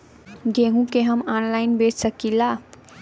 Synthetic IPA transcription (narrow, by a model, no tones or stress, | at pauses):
ɡeɦũkeɦəmanlajnbessəkila